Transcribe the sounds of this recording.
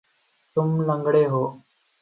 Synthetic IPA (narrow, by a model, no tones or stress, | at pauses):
t̪ʊmləŋɡɽeːɦoː